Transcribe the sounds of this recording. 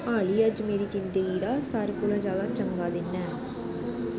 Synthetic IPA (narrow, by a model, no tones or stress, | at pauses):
aːliːəd͡ʒmeːɾiːd͡ʒɪnd̪əɡiːd̪aːsaːɾekuːlãːd͡ʒjaːd̪aːt͡ʃəŋɡaːd̪ɪnːɛː